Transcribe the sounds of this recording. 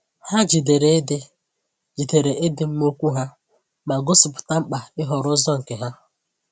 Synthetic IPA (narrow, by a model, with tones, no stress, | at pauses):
ha˦d͡ʒi˨de˨ɾe˨e˦dɪ˦ | d͡ʒi˨de˨ɾe˨ʔe˦dɪ˨m̩˦mo˦kʷu˦ɦa˦ | ma˨ɡʊ˦sʊ˨pʊ̥˨ta˦ŋ͡m̩˦k͡pa˨ɪ˦ɦɔ˨ɾʊ˦zɔ˦ŋ̩˨ke˨ɦa˦